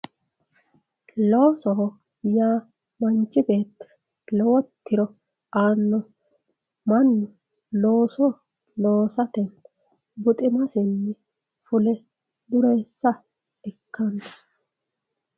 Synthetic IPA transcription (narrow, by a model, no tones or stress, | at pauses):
loːsɔ | jaː | mɐnt͡ʃːɪbe̞ːt̪ː | lɔwɔt̪ʰːɪɾɔ | aːnːɔ | mɐnːʊ | lo̞ːsɔ | lo̞ːsɐt̪ɛn | bʊt̪ʼɪmɐsɪnːɪ | fʊlɛ | d̪ʊɾesːɐ | ɛkʰːɐndɐ̥